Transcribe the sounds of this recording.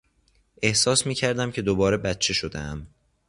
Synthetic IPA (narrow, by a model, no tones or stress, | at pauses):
ʔe̞hsɒːsmiːcʰæɾd̪æmcʰe̞d̪obɒːɾe̞bæt̪̚t͡ʃʰe̞ʃod̪ḛæm